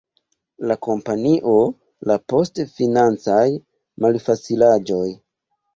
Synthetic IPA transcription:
lako̞mpaniʔo̞ | lapo̞stfinant͡saj | malfat͡silad͡ʒo̞j

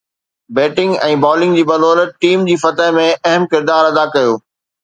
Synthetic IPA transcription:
beːʈɪ̃ŋɡɛ̃ːbɔːlɪ̃ŋɡd͡ʑiːbɐloːlʈiːmd͡ʑiːfɐt̪əɦmẽɐɦəmkɪɾd̪aːɾɐd̪akɐjoː

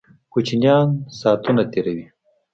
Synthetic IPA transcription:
kut͡ʃinjɑːnsɑːt̪unat̪eːɾɐwi

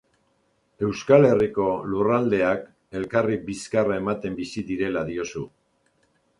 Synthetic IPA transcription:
e̞wskale̞riko̞lurald̪e̞ak | e̞lkaribiskarae̞mat̪e̞mbisiðiɾe̞laðio̞su

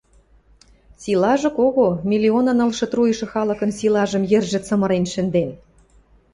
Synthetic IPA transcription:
silɑʒɤ̆koɣomʲilʲionɤ̆nɤ̆lʃɤ̆t̪ruj̆ʃɤ̆xɑlɤ̆kɤ̆nsilɑʒə̆mjɘ̆rʒɘ̆t͡sɤ̆mɤ̆ɾenʃɘ̆nd̪en

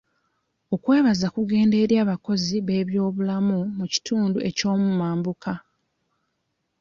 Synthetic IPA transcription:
o̞kwe̞ːβazakuɡe̞ːnde̞ːɾjaːβako̞ziβe̞ːβjo̞ːβulamumuci̥tuːnduʔe̞co̞ːmumaːmbuka

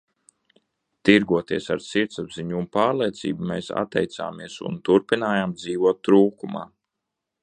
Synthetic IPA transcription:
t̪iɾɡuɔt̪iɛsaɾsiɾt̪sabziɲumpaːɾlˠijt̪sḭːbumeːsa̰t̪ːɛjt̪sa̰ːmiɛsṵnt̪uɾpinaːjaːmd̪ziːvuɔt̪ːɾuːkuma̰ː

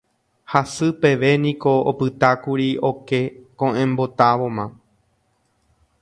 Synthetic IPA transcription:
hasɨpe̞ʋe̞nĩko̞opɨt̪akuɾio̞ke̞kõʔẽ̞mbo̞t̪aʋo̞mã

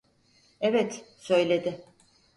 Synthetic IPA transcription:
ɛvɛt̪sø̞jlʲe̞d̪ɪ

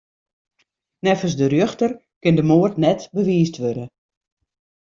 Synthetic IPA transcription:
nɛfəsdərjøxtər | kɪndəmoərtnɛtbəʋiːstʋødə

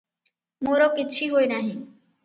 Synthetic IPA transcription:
moɾɔkit͡ɕʰiɦoenaɦĩ

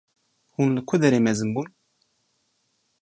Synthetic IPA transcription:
hunlɨkʰʊd̪ɛɾeːmɛzɨnbun

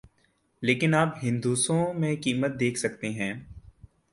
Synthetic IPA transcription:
leːkɪnaːpɦɪ̃nd̪uːsõmẽkiːmət̪̚d̪eːkʰsɐkt̪eɦɛ̃ː

